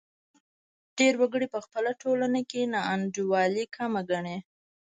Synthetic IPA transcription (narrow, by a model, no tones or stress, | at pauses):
ɖ̥eɾwaɡəɽipəxpəlaʈolanakenaand͡ʒuwɑlikʰamaɡaɳe